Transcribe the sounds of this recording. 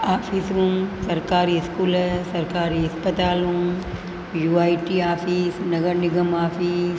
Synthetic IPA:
aːfʰisɾũːmsɐɾkaːɾiɪskuːlsɐɾkaːɾiɐspət̪aːlũːm | juːaːjʈiaːfʰisnɐɡəɾnɪɡəmaːfis

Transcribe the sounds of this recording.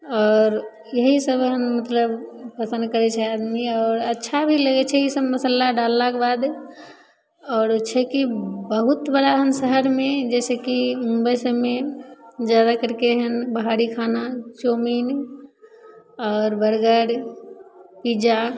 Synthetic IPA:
ɔːɾ | jəɦisəbɦənmət̪ləbpəsə̃nd̪kəɾɛt͡ʃʰɛad̪miɔːɾətːʃʰabʱiləɡɛt͡ʃʰɛisəbməsəlːaɖalːakebad̪ | ɔːɾt͡ʃʰɛkibəɦut̪bəɽaɦənsəɦəɾmẽd͡ʒɛːsekimũmbəjsəbmed͡ʒjad̪akəɾkeɦənbəɦaɾikʰanat͡ʃomin | ɔːɾbəɾɡəɽ | pid͡ʒa

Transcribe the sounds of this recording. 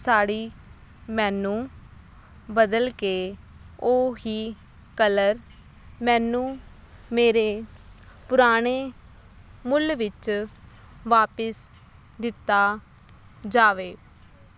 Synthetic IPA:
saːɽiː | mɛ̃ːnũː | bəd̪əlkeː | oːɦiː | kələɾ | mɛ̃ːnũː | meːɾeːpʊɾaːɽ̃eː | mʊlʋɪt͡ʃ | ʋaːpəs | d̪ɪt̪ːaː | d͡ʒaːʋeː

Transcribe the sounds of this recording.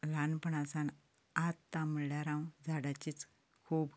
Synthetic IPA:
lanpəɳasan | at̪ːaməɭljaɾãwd͡zaɽat͡ɕiːt͡s | kʰuːb

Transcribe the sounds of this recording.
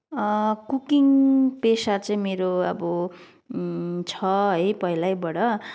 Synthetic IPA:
kukiŋpesat͡sʌ̃ĩmeɾoʌ̰bʌ | t͡sʰʌɦʌjpʌilajbʌɽʌ

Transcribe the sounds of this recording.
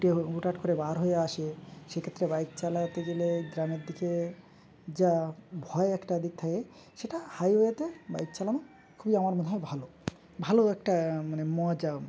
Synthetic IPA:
ʈeuʈaʈkoɾebaaɾɦojeaʃeʃekʰet̪ːɾebajt̪̚t͡ɕalat̪eɡeleɡɾameɾd̪ike | d͡ʑabʱɔeɛkʈad̪ik̚t̪ʰake | ʃeʈahajɦojet̪eba̰jt̪̚t͡ɕalano | kʰubiamaɾmoneɦɔbʱalo | bʱaloɛk̚ʈamanemɔd͡ʑa

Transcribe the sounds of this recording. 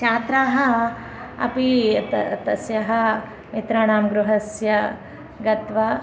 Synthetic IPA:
t͡ʃaːt̪ɾaːɦɐ | ɐ̰pi | t̪ɐsjɐɦɐ | mit̪ɾaːɳaːmɡɾuɦɐsjɐ | ɡɐt̪ʋɐ

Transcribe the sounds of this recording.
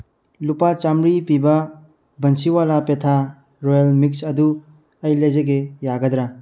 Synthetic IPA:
lupat͡ʃamɾipibɐ | bɐnsiwalapetʰa | ɾojɐlmik̚sɐdu | ɐjlezɐɡejaɡɐd̪ɾa

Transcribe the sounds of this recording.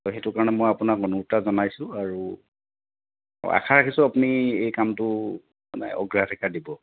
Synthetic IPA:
ɔɦetʊkaɹɔnɛmojapunakɔnuɹtazɔnajsʊ̃aɹu | a̰kʰaɹakʰisʊapuniejkamtʊ | manɛ̰ɔ̰ɡɹiatʰikadibɔ

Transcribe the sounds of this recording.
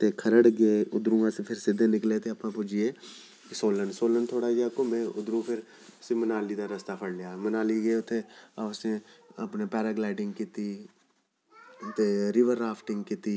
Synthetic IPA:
t̪ekʰəɾəɽɡeeʊd̪ɾũɡãsepʰɪɾsɪd̪ʱẽnɪklet̪eɐpnãpʊd͡ʒie | ksoːlənsoːlənt̪ʰoːɽad͡ʒakomẽʊd̪ɾũpʰɪɾ | semənaːlid̪aɾəst̪apʰəɽlejamənaːliɡeeʊt̪ʰːeasneəpnepɛːɾaɡlaːɪʈɪ̃ŋɡ̚kɪt̪i | t̪eɾɪʋəɾːaːpʰʈɪ̃ŋɡ̚kɪt̪iː

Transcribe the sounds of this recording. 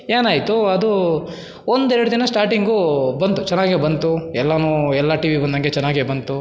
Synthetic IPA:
eːnaːjt̪uɐd̪u | ond̪ɛɾɐɽud̪inɐsʈaːɾʈiŋɡubɐnt̪ut͡ʃɛnːaːɡebɐnt̪uɛlːɐnuːɛlːɐʈiːʋibɐnd̪ɐŋɡet͡ʃɛnːaːɡiebɐnt̪u

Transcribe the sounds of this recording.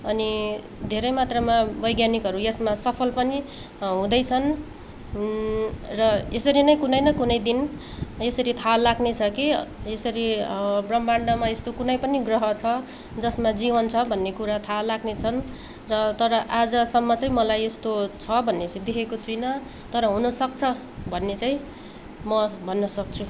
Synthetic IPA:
ʌni | d̪ʱeɾʌjmat̪rʌmabʌjɡjanikɦʌɾujʌsmasʌpʰʌlpʌni | ɦũd̪ʌjt͡sʰʌn | rʌesʌɾinʌjkunʌjnʌkunʌjd̪in | esʌɾit̪ʰalaɡnet͡sʰʌkiesʌɾibrʌmbaɳɖʌmaest̪okunʌjpʌniɡrʌɦʌt͡sʰʌ | d͡zʌsmad͡zibʌnt͡sʰʌbʱʌnːekuɾat̪ʰalaɡnet͡sʰʌn | rʌt̪ʌɾʌʔad͡zʌsʌmːʌt͡saĩmʌlajest̪ot͡sʰʌbʱʌnːet͡saĩd̪ekʰekot͡sʰujnʌ | t̪ʌɾʌɦũnʌsʌk̚t͡sʰʌ | bʱʌnːet͡saĩ | mʌbʱʌnːʌsʌk̚t͡sʰu

